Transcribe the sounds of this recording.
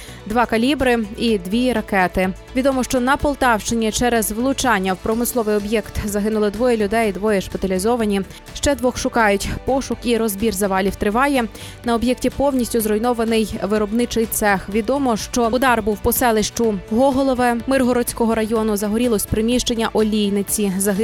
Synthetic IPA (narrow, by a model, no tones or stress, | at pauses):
d̪ʋɑkɐlʲibɾɪid̪ʋʲiɾɐkɛt̪ɪ | ʋʲid̪ɔmɔʃt͡ʃɔnɐpɔlˠt̪ɑwʃt͡ʃɪnʲit͡ʃɛɾɛzʋlˠʊt͡ʃɑnʲːɐwpɾɔmɪslˠɔʋɪjɔbjɛkt̪zɐɦɪnʊlˠɪd̪ʋɔjɛlʲʊd̪ɛjd̪ʋɔjɛʃpɪt̪ɐlʲizɔʋɐnʲi | ʃt͡ʃɛd̪ʋɔxʃʊkɑjʊtʲpɔʃʊkiɾɔzbʲirzɐʋɑlʲiwt̪ɾɪʋɑjɛ | nɐɔbjɛktʲipɔwnʲisʲtʲʊzɾɔjnɔʋɐnɪjʋɪɾɔbnɪt͡ʃɪjt̪sɛxʋʲid̪ɔmɔʃt͡ʃɔd̪ɑrbuwpɔsɛlˠɪʃt͡ʃʊɦɔɦɔlˠɔʋɛmɪrɦɔɾɔt͡sʲkɔɦɔɾɐjɔnʊzɐɦɔɾʲilˠɔsʲpɾɪmʲiʃt͡ʃenʲːɐʔɔlʲijnɪt͡sʲizɐɦɪ